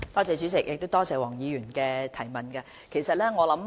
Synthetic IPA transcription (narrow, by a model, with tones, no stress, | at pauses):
t̪ɔː˥t͡sɛː˨˧t͡syː˨˥t͡sɪ˨k̚jʔɪ˨k̚t̪o˥wt̪ɔː˥t͡sɛː˨˧wɔː˨˩ŋjiː˨˧jyː˨˩nkɛː˧t̪ʰɐ˨˩jmɐ˨nkɐ˧ | kʰe˨˩jsɐ˨t̚lɛː˥ŋɔː˨˧lɐ˨˥m